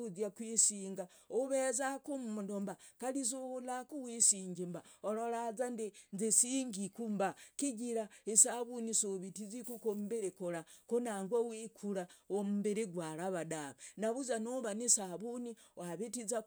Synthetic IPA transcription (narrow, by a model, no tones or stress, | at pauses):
uzjakwisiːŋɡaoβezakumuundombakalizuhulakuwisiːɲɟimbaoɾoɾazandinzesiːŋɡikumbakiɟiɾaisaβunisuβitizikukomubeɾekoɾakonaːŋɡowikʰuɾaomumbeɾiɡwaɾaβadaβanaβuzanoβanisaβuniwaβitiza